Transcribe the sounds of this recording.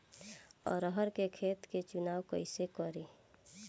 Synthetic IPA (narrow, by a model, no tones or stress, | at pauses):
ɔ̰ːɾəɦəɾkekʰeːt̪ket͡ʃʊnaːwkə̰ɪsekɔɾiː